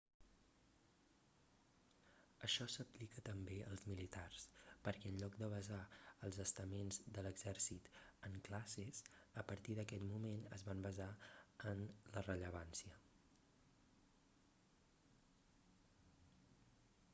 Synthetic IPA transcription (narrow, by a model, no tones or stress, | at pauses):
əʃɔsəplikət̪əmbeə̰lˠzmilit̪arspəɾkɛənʎɔkd̪əβəzaəlˠzəst̪əmenzd̪ələɡzɛrsit̪əŋklasesəpəɾt̪iðəkɛt̪mumenə̰zβambəzaənlərəʎəβansiə